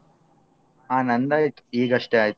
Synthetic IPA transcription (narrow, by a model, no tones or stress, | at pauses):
aːnɐnd̪aːjikiːɡɐʂʈɐjaːjt̪ː